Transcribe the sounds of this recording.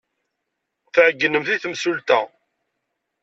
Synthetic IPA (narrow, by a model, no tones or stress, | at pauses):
θʕəɡːənəmθiθəmsult̪æ